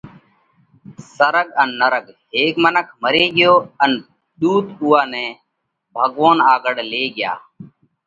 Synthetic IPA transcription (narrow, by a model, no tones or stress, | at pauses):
səɾəɠənːəɾəɡɦeːkmənəkʰməɾeːɠɪjoːən | ɗ̪uːt̪ʊːaːnẽː | bʱəɠʋoːnaːɡəɽleːɡɪja̰ː